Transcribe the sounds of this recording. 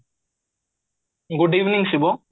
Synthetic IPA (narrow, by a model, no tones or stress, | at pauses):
ɡʊɖiːʋnɪ̃ŋsibo